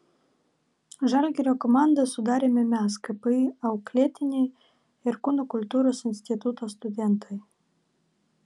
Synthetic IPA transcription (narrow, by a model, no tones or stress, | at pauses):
ʒalʲɡʲeɾʲokɔmand̪əsʊd̪ɑːɾʲemʲemʲas̬kəpɨjɐwklʲet̪ʲɪnʲej | ɪrkunokʊlʲt̪uɾosɨnʲsʲt̪ʲit̪ut̪ost̪ʊd̪ʲent̪ʰɨj